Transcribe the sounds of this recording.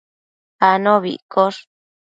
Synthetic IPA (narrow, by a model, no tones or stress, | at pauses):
anõβḭkoʂ